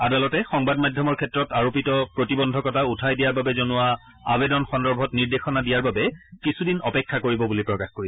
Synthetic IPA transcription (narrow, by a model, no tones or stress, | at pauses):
adalɔtɛxɔŋbadmadʱjɔmɔɹkʰɛtɹɔtaɹopitɔpɹotibɔndʱɔkɔtautʰajdijaɹbabɛzonʊwa | abedɔnxɔndɔɹbʱɔtniɹdexɔnadijaɹbabɛkisʰudinɔpɛkʰːakoɹibɔbulipɹɔkaxkoɹiɛ